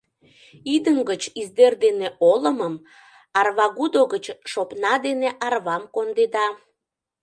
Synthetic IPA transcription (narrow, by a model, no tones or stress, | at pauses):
id̪əŋɡət͡ɕizd̪erd̪eneʔoləməm | ɑrβɑɣud̪oɣət͡ɕʃopnɑd̪eneʔɑrβɑmkond̪ed̪ɑ